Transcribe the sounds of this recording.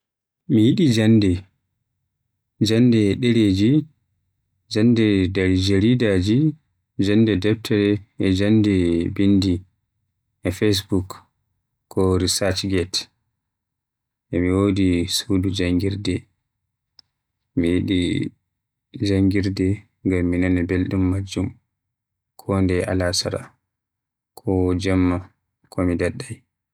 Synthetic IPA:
mijiɗid͡ʒandɛ | d͡ʒandɛɗɛɾed͡ʒi | d͡ʒandɛdaɾd͡ʒeɾidad͡ʒi | d͡ʒandɛdɛb̚tʰɛɾɛɛd͡ʒandɛbindi | ɛfes̬bukː | ɔɾisat͡ʃɡɛt | ʔɛmiwodisudud͡ʒaŋɡiɾdɛ | mijiɗi | d͡ʒaŋɡiɾdɛ | ŋɡamːinanɛbelɗumːad͡ʒːum | kʰɔndɛʔa̰lasa̰ɾa̰ | kʰɔd͡ʒamːa | kʰɔmidaɗːaj

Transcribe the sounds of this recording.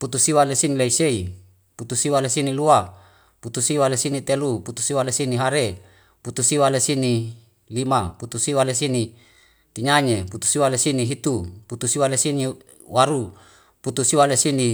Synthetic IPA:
put̪usiwalesinileisei | put̪usiwalesinilua | put̪usiwalesinit̪eluput̪u̥siwalesiniɦaɾe | put̪usiwalesini | limaput̪usiwalesini | t̪iɲaɲeput̪u̥siwalesiniɦit̪uput̪usiwalesini | waɾu | put̪usiwalesini

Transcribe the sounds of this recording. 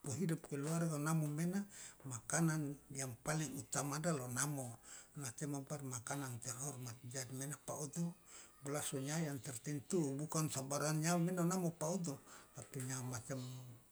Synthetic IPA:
pɔɦidup̚kɛluarɡanamɔmɛnamakananjaŋpaliŋut̪amadalonamɔnat͡ʃ̪ɛmabarmakanant̪ɛrɦɔrmat̪̚d͡ʒadimɛnapaud̪ubəlasɔɲajant̪ɛrt̪ɛnt̪ubukansabaɾanɲalmɛnanamɔpaud̪ut̪apiɲamat͡ʃam

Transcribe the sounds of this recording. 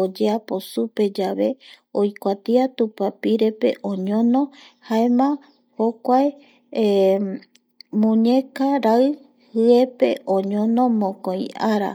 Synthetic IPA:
od͡ʒeapo̞supe̞d͡ʒaβe̞ojkʷat̪iat̪upapiɾe̞pe̞̰ʔõɲõnõhaemã | hokʷae | mũɲekaɾaɨ | hɨe̞pe̞ʔõɲõnõ̞mõkoj̃aɾa̰

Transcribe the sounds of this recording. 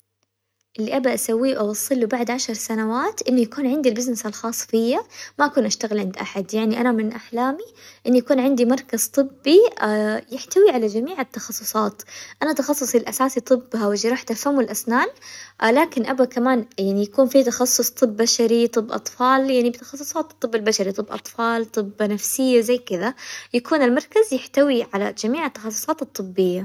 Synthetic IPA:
ʔɪlːiʔabaʔasawːiːʔawɑsˤːɨlubaʕd̪ʕaʃɑɾˤsanawaːt̪ʔɪnːujakuːnʕɪnd̪ilbɪznɪsalxɑːsˤfɪjːamaʔakuːnʔaʃt̪aɣɪlʕɪnd̪ʔaħad̪jaʕniʔanamɪnʔaħlaːmiʔɪnːujakuːnʕɪnd̪imɑɾˤkaz̥t̪ˤɨbːijɪħt̪awiʕalad͡ʒamiːʕat̪ːɑxɑsˤːʊsˤɑːt̪ʔanat̪ɑxɑsˤːʊsˤilʔasaːsit̪ˤɨbːhawɪd͡ʒɾˤɑːħt̪afhamɪlʔasnaːnlaːkɪnʔabakamaːnjaʕnijakuːnfit̪ɑxɑsˤːʊsˤt̪ˤɨbːaʃaɾit̪ˤɨbːʔɑ̰t̪ˤfɑːljaʕnibɪt̪ɑ̥xɑsˤːʊ̥sˤɑːt̪t̪ˤːɨbːalbaʃaɾit̪ˤɨbːʔɑ̰t̪ˤfɑːlt̪ˤɨbːanafsɪjːazajkɪðajakuːnɪlmɑɾˤkazjɪħt̪awiʕala̰d͡ʒamiːʕat̪ːɑ̥xɑsˤːʊ̥sˤɑːt̪ɨt̪ˤːɨbːɪjːa

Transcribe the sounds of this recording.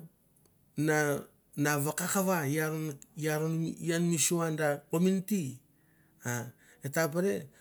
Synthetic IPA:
na | naβakakaβajaɾnjaɾonanmisuandakominti | a | etapaɾe

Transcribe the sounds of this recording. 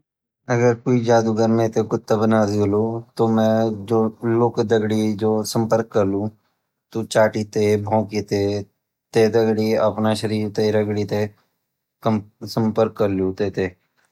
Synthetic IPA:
əɡəɾkoːid͡ʒaːd̪uɡəɾmẽt̪ekʊt̪ːəbnaːzioloːt̪omɛ̃ːd͡ʒoːloːkd̪əɡɽid͡ʒoːsə̃mpəɾkːəɾlũː | t̪ot͡ʃaːʈit̪ebʱõːkit̪e | t̪ed̪əɡɽiəpnaʃəɾiːɾt̪eɾəɡɽit̪e | sə̃mpəɾkːəɾlũːt̪eːt̪eː

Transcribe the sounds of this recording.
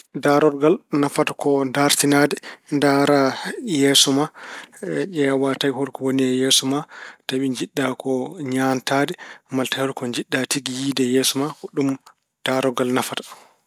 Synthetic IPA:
daɾɔɾɡalnafatakɔndaɾtinadɛndaɾajɛsɔma | ʔɛawatajhɔɾkɔwoniɛjɛsɔmataɓiɲd͡ʒiɗːakɔɲantadɛmaltahɔɾkɔɲd͡ʒiɗːatiɡijiːdɛjɛsɔmakɔɗum | d̥aɾɔɡalnafatḁ

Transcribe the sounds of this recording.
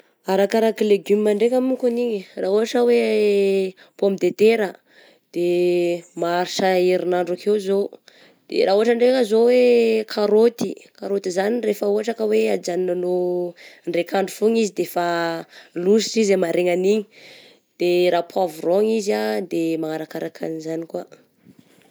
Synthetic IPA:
aɾakaɾakileɡumiːaɳɖ͡ʐekʲamukuniɲiraːɦuaʈ͡ʂəwe | pomid̪et̪eɾə | d̪̥e | maɾiʃaiɾinaɳɖ͡ʐukʰewzo | d̪̥ḛɾaːuɦaʈ͡ʂaɳɖ͡ʐekəzowekʰaɾot̪ikaɾot̪izanirefəuɦaʈ͡ʂakəwead͡ʒaninano | ɳɖ͡ʐekʰaɳɖ͡ʐufuŋizid̪efa | lusiizamaɾeŋaniɲi | d̪̥eɾaːpʰuavuroŋizad̪emaŋaɾakaɾakʰa̰nizanikwa

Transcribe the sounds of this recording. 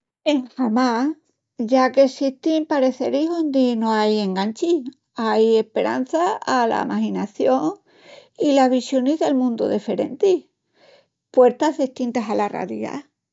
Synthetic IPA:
e̞ŋxamas | ʝakesiht̪impaɾe̞θe̞ɾihond̪inoaje̞ŋɡaɲt͡ʃi | aje̞hpe̞ɾʔa̰n̟θaːla̰mahinaθjo̞ŋ | ilaɦβisjo̞nizðe̞lmũnd̪o̰ðefe̞ɾe̞̰nt̪i | pwe̞ɾt̪azðehst̪int̪asalara̰ɾia̰

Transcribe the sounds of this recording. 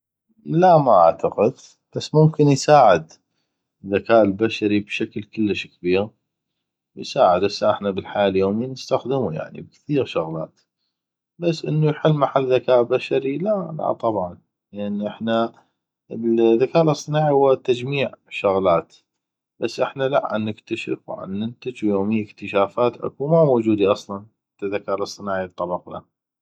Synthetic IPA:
lamaʔa̰ʕt̪ʰaqɪd̪ | b̥asːmʊmkənjsaːʕɪd̪ | ðːakaːʔəlbaʃaɾibʃaklkəlːəʃkbiːɣ | wjsaːʕəd̪ʔɪsːʔɪħnabəlħaːljoːmiːnəst̪axd̪əmuja̰ʕnḭb̚kθiːɣʃʊɣla̰ːt̪ | basːʔə̰nːujħɪlːmaħalːðakaːʔbaʃaɾilala̰t̪ˤɑbʕɑn | ləʔanːʔɪħna | əlðakaːlɨsˤːɨnaːʕihʊwːat̪ad͡ʒmiːʕʃʊɣlaːt̪ | b̥asːʔɪħnala̰ʔʕa̰nːɪkt̪aʃɪ̰fwʕa̰nːɪnt̪ad͡ʒjoːmijːəkt̪əʃaːfaːt̪ʔa̰kuːmamoːd͡ʒuːd̪iʔɑsˤlɑnħat̪ːaðakaːʔlɨsˤːɨnaːʕit̪ˤːɑbɑqna̰

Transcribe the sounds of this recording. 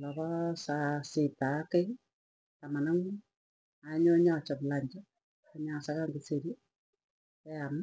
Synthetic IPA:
lɔβɔsasitakei | tamanaŋu | aɲoɲat͡ʃaβlaɲd͡ʒa | aɲasaɣaŋɡiseɾi | ɛam

